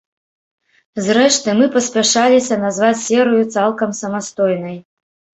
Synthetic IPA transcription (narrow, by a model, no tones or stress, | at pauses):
zrɛʂt̪ɨmɨpɐsʲpʲaʂalʲisʲɐnazvat͡sʲsʲɛɾɨjut̪salˠkɐmsɐmast̪ɔjnɐj